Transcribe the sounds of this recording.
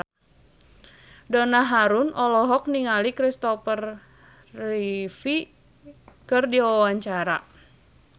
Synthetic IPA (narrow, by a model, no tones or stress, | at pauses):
dɔnaɦaɾʊnɔlɔɦɔk̚niŋalikɾist̪ɔfərː | ifi | kɨrdiwawaɲt͡ʃaɾa